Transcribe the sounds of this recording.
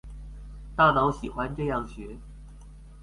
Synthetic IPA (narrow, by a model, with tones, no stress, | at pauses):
t̪a˥˩nɑ˧˥ʊɕi˨˩xwa˦nʈ͡ʂɤ˥˧jɑ˥˩ŋɕɥɛ˧˥